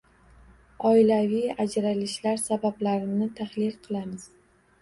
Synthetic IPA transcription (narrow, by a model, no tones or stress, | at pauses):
ɒɪlavijad͡ʒɾalɪʃlaɾsabablaɾɪnɪt̪ʰaχlɪlqʰɨlˠamɪz̥